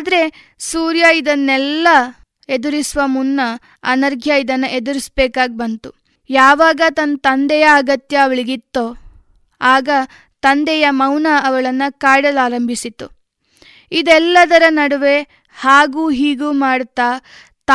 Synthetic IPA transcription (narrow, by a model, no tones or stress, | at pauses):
aːd̪ɐɾe̞suːɾjɐid̪ɐnːɛlːɐ | ed̪uɾisʋɐmunːɐ | ɐ̰nɐɾɡʱjɐid̪ɐnːɐʔed̪uɾisbɛːkaːɡ̚bɐnt̪u | jaːʋaːɡɐt̪ɐnt̪ɐnd̪ɛjɐːɡɐt̪jɐːʋɐɭiɡit̪ːo | aːɡɐ | t̪ɐnd̪ɛjɐmɐwnaɐʋɐɭɐnːɐkaːɽɐlaːɾɐmbʱisit̪ːu | id̪ɛlːɐd̪ɐɾɐnɐɽuʋe̞ | haːɡuːɦiːɡuːmaːɽt̪aː | t̪